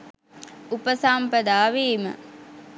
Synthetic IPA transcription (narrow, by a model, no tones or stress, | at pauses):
upəsaːmpəd̪aːʋeːmə̰